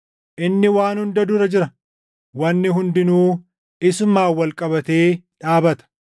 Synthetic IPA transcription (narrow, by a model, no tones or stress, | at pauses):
ʔɪnːɪwaːnhʊnd̪ɐd̪ʊɾɐd͡ʒɪɾɐ | wɐnːɪɦʊnd̪ɪnuː | ɪsʊmaːwːɐlkʼɐbɐt̪e̞ːᶑaːbɐt̪ɐ̥